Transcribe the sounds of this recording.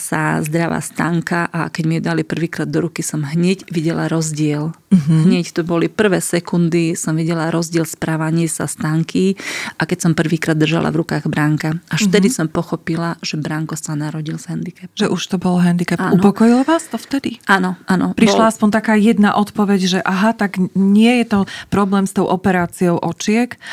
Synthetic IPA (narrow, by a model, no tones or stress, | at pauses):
sa̰zd̪ɾaʋa̰st̪a̰ːŋkaʔakɛɟmiɛd̪alipr̩ʋiːkɾaːd̪ːɔɾukisɔmɦɲɛɟʋiɟɛla̰ɾɔzɟɪɛlɦɲɛct̪ɔbɔlipr̩ʋɛːsɛkund̪isɔmʋiɟɛlaɾɔzɟɪɛlspɾaːʋaɲɪɛsa̰st̪aːŋkiʔakɛcsɔmpr̩ʋiːkɾaːd̪ːr̩ʒa̰lʔa̰vɾukaːɣbɾaŋkaaʃft̪ɛd̪isɔmpɔxɔpilaʒɛbɾaŋkɔsanaɾɔɟilzɦɛnd̪ikɛp̚ʒ̥ɛʔuʃt̪ɔbɔlɦɛnd̪ikɛanupɔkɔjilɔʋaːst̪ɔft̪ɛd̪iʔanɔʔanɔpɾiʃlaaspɔɲt̪akaːjɛd̪na̰ʔɔt̪pɔʋɛɟʒɛʔaɦat̪aɡɲɪɛjɛt̪ɔpɾɔblɛːmst̪ɔʊʔɔpɛɾaːt͡siɔʊʔɔt͡ʃɪɛk